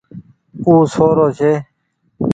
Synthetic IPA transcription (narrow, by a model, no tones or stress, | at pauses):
uːsoːɾoːɕʰeː